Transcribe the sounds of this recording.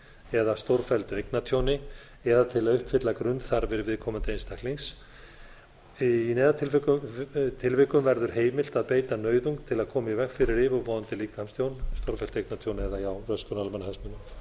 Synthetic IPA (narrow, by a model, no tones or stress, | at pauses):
ɛðast̪owɾfɛlt̪ʏejknat̪ʰjownɪ | ɛðat̪ʰɪlaðʏhpfɪt̪lakɾʏnt̪θaɾvɪɾɪvɪðkʰɔːmant̪ɪejnst̪akliŋs | inɛːðat̪ʰɪlvkʏt̪ʰɪlvɪkʏmvɛɾðʏɾ̥ɦeːjmɪl̥t̪aðpeːjt̪anœːɥðuŋkt̪ʰɪlaðkʰɔːmaivɛkfɪɾɪɾɪvʏvɔːðant̪ɪliːkhamst̪jownst̪owɾ̥fɛlt̪ejknat̪ʰjownɪɛðajawrœskʏnalmanhɛsmɪnːʏm